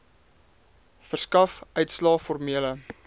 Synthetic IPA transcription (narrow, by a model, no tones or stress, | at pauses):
fərskɐfœɥtslɑːfɔrmiələ